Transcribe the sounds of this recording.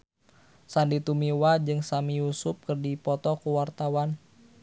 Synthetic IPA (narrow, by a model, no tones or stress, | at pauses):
sandit̪umiwad͡ʒɨŋsamijusʊp̚kɨrdipɔt̪ɔkuwart̪awan